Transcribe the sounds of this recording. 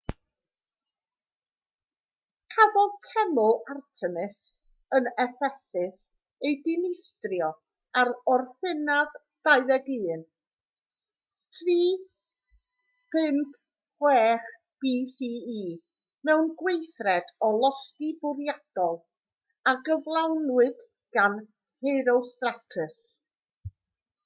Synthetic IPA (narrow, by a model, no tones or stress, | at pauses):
kʰavɔlˠtʰɛmʊartʰɛmɪs | ənɛfɛsɪs | ejdɪnɪstrjɔ | aɾɔrfɪnað | d̥aɨðɛɡɨːn | tʰriː | pʰɪmpʰ | wɛːχ | b̥iːsiːiː | mɛwnɡwejθrɛdɔlˠɔskibʊɾjad̥ɔlˠ | aɡəvlˠawnwɨd̥ | ɡ̥an | hejɾowstratʰɨs